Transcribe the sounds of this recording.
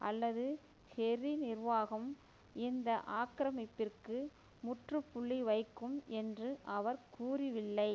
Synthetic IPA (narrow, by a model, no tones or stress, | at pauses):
ʔɐlːɐðɯ | hɛrinɪɾʋaːɣɐm | ɪnd̪ɐʔaːkɾɐmɪpːɪrkɯ | mʊʈrɯpːʊɭːiʋɐɪkːɯmɛndrɯʔɐʋɐɾkuːrɪʋɪlːɐɪ